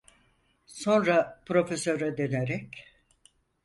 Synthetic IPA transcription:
so̞nɾapɾo̞fesøɾɛd̪eneɾɛc

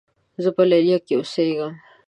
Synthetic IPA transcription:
zəpəlalijakeʊseɡəm

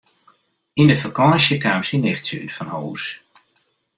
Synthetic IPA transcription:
indəfəkɔːsjəkaːmsinɪxtsəytfɔnhoːs

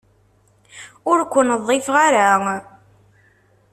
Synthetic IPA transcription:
ʊɾkʷːənðˤːefʁaɾa

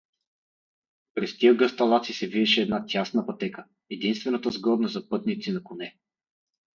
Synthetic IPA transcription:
pɾɛst̪iəɡəst̪ɐlˠat̪sisɛvid̪ɛʃɛɛd̪nat̪ʲasnəpɐt̪ɛkə | ɛd̪inst̪vɛnət̪əzɡɔd̪nəzɐpɤt̪nit̪sinɐkʊnɛ

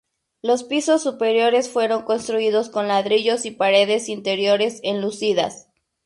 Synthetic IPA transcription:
lo̞spiso̞sːupe̞ɾjo̞ɾe̞sfwe̞ɾo̞ŋko̞nst̪ɾuiðo̞sko̞nlaðɾiʝo̞sipaɾe̞ðe̞sint̪e̞ɾjo̞ɾe̞se̞nlusiða̰s

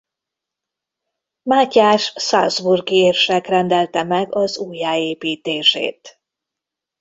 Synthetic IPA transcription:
maːcaːʃsazburɡieːrʃɛkrɛnd̪ɛlt̪ɛmɛɡɒzuːjːaːeːpiːt̪eːʃḛːt̪

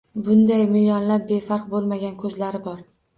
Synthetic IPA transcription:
bʊnd̪ajmɪljɒnlap̚be̞fɑɾq̚bolˠmaɡʲankʰɵzlaɾɪbɒɾ

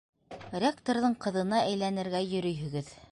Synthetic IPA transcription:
rʲekt̪oɾðɤɴqɤ̆ðɤ̆nɑʔæjlænɘ̆ɾɡæjɵ̆ɾɵ̆jɦɵ̆ɡɘð

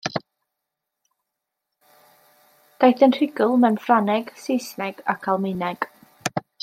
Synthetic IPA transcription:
d̥ajθənr̥ɪɡʊlˠmɛnfranɛɡ̥sejsnɛɡ̥akʰalˠmɪnɛɡ̥

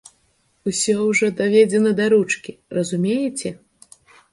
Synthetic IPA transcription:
usʲɔwʐɔd̪avʲɛd͡zʲɛnɐd̪ɐɾut͡ʂkʲirɐzumʲejɛt͡sʲɛ

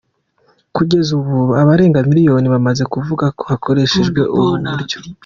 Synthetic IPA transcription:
kuɟe̞zuβuaβaɾe̞ːŋɡamiɾijo̞niβamaze̞kuvuɡako̞βakʰo̞ɾe̞ʃe̞ʒɡwe̞ʔuβunaɾɟo̥

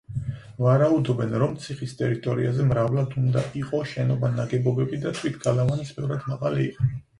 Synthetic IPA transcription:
vaɾaud̪ɔbɛnɾɔmt̪sʰiχist̪ʼɛɾit̪ʼɔɾiazɛmɾavlad̪und̪aiqʼɔʃɛnɔbanaɡɛbɔbɛbid̪at̪ʰwit̪ʰɡalavanisbɛvɾad̪maʁalḭːqʼɔ

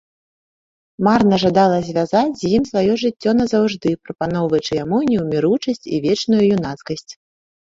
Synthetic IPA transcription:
marnɐʐad̪alˠɐzʲvʲazat͡sʲzʲjimsvajɔʐɨt͡sʲːɔnɐzawʐd̪ɨpɾɐpanɔwvɐt͡ʂɨjamunʲjuwmʲiɾut͡ʂɐsʲt͡sʲivʲɛt͡ʂnujujun̪at̪skɐsʲt͡sʲ

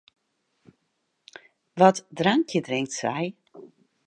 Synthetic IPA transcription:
ʋɔtdraŋkjədrɪŋktsɛj

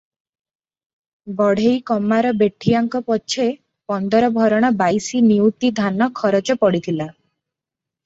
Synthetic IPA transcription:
bɔɽ̤ejkɔmaɾɔbeʈʰijaŋkɔpɔt͡ʃʰe | pɔnd̪ɔɾɔbʱɔɾɔɽ̃ɔbajsiniut̪id̪ʱanɔkʰɔɾɔt͡ʃɔpɔɽit̪ʰila

